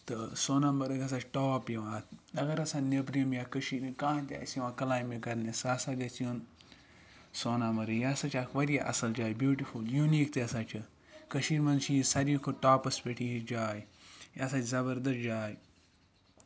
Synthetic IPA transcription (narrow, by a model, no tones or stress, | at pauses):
t̪ɨsoːnɐmɐɾɐɡɐs̬at͡ʃʈoːpjiʋãːt̪ʰɐɡɐɾɐsãːnebɾimjaːkəʃiːɾikãːt̪ʲa̰sʋãːkɐlaːjmikɐɾnesaːsaɡɐt͡sijun | soːnɐmɐɾɨjasat͡ʃʰakʋɐɾiaʔɐ̰sɐld͡ʒaːjbjuːʈifuljuniːkt̪eɐsaːt͡ʃʰɨ | kəʃiːɾmɐnt͡ʃʰiisɐɾikʰoʈaːpɐspʲeʈʰiid͡ʒaːjjaːsaːt͡ʃʰʲzɐbəɾd̪ɐs̚d͡ʒaːj